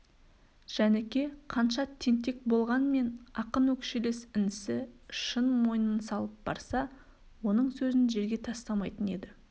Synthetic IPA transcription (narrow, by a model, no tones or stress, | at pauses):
ʒ̥ænekʲe̞qʰɑnʃɑt̪ʰe̞nt̪e̞k̚bo̞lˠʁɑnme̞nɑqənwɵkʃele̞sɪnɪsɪʃənmo̞jənənsɑlˠəp̚b̥ɑ̰ɾsɑ | wo̞nəɴsɵzɪnʒe̞ɾɡʲe̞t̪ʰɑst̪ɑmɑjt̪əne̞d̪ɪ